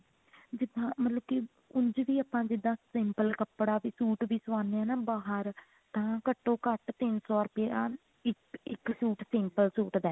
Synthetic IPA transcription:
d͡ʒɪd̪ãːmət̪ləb̚ki | ʊɲd͡ʒʋiːaːpãːd͡ʒɪd̪ãːsɪmpəlkəpɽaːʋiːsuːʈʋiːsʊʋãːneɛ̃ːnaːbaːɦəɾ | t̪ãːkəʈːõːkəʈt̪ɪnsɔːɾʊpɪjaː | ɪkɪksuːʈsɪmpəlsuːʈd̪ɛː

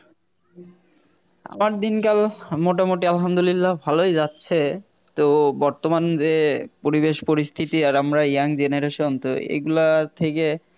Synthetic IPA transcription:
a̰maɾd̪inkalmoʈamoʈialɦamd̪olilːabʱalojd͡ʑatːɕʰe | t̪obɔɾt̪omand͡ʑepoɾibeʃpoɾist̪ʰit̪iaɾamɾajaŋd͡ʑeneɾeʃont̪o̰ḛɡulat̪ʰeke

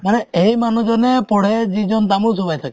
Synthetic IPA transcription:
maneejmanud͡ʒɔnepɔɽ̤ed͡ʒid͡ʒɔnt̪amusobajt̪ʰaki

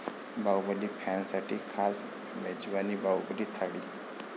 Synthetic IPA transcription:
bawbəlipʰɛnsaʈʰiːkʰas | med͡ʒʋanibawbəlit̪ʰaɽiː

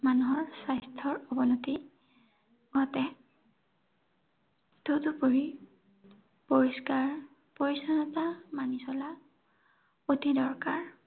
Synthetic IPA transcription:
manuɦɔɹsajstʰɔɹɔbɔnoti | ɡɔtɛ | totupoɹi | poɹiskaɹ | poɹisɔnɔtamanisɔla | otidɔɹkaɹ

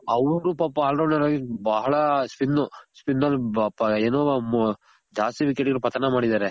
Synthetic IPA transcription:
ɐʋɾupaːpːaːlɖɐːɳaɾaːɡibɐɦɐɭɐspinːuspinːɐlapːɐeːnoːm | d͡ʒaːst̪iʋikeʈɡɐlupɐt̪ɐnɐmaːɽid̪aːɾe

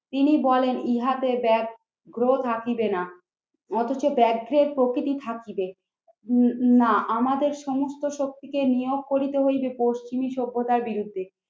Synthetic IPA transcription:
t̪inibɔleniɦat̪ebɛk | ɡɾot̪ʰakibena | ɔt̪ʰot͡ɕobɛkɡɾeɾpɾokɾit̪it̪ʰakibe | naʔamad̪eɾʃɔmost̪oʃok̚t̪ikenijoɡ̚koɾit̪eɦojbepoʃt͡ɕimiʃobːod̪aɾbiɾud̪ʱːe

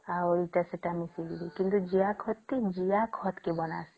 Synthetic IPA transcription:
aɔɾiʈaseʈamisililikint̪ud͡ʒiakʰɔt̪ːid͡ʒijakʰɔt̪kebɔna̰si̥

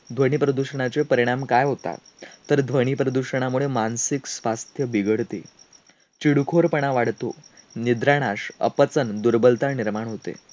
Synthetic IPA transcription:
d̪ʱʋəɽ̃iːpɾəd̪uɕəɳ̃at͡sepəɾiɽ̃amkajɦot̪a̰ | t̪əɾd̪ʱʋəɽ̃ipɾəd̪uɕəɳ̃amuɭemansiksʋast̪ʰjəbiɡəɽt̪ḛ | t͡ɕiɽukʰoɾpəɳ̃aʋaɽt̪o̰nid̪ɾaɽ̃aɕə̰pət͡sənd̪uɾbəlt̪aniɾmaɳ̃ɦot̪ḛ

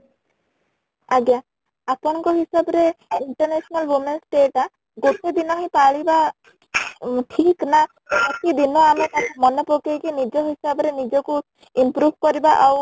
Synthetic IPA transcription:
aɡja | apɔɽ̃ɔŋkɔɦisabɔɾeiɳʈɔɾnesɔnalwumensʈeʈa | ɡoʈed̪inɔɦepaɭiba | ʈʰikna | ɔt̪id̪inɔamet̪amɔnɔpokejkinid͡ʒɔɦisabɔɾenid͡ʒɔku | impɾubʱkɔɾibaʔaw

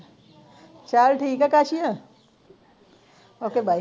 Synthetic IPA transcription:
t͡ʃalʈʰiːkɛkaːt͡ʃijã | oːkebʱaː

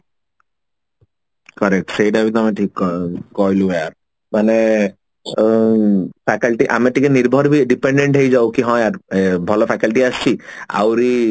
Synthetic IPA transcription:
kɔɾek̚ʈsejʈabit̪̬ɔamaʈʰikːɔkɔjluaɾ | mane | fʰɛkalʈiʔa̰maʈikeniɾbʱɔɾbiɖipeɳɖeɳʈɦejd͡ʑawkiɦɔeaɾbʱɔlopʰɛkalʈiaʃt͡ɕʰia̰wɾi

